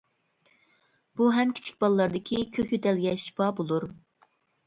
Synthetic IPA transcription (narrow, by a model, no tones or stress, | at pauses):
b̥uɦɛmkʲʰi̥t͡ʃʰi̥k̚ʲbɑlˠlːˠɑɾd̪ɪkʲʰikʲʰøkʲyt̪ɛlɡʲɛʃi̥pʰɑbolˠuɾ